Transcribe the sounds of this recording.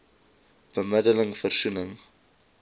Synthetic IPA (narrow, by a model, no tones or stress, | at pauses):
b̥əmədələŋfərsunəŋ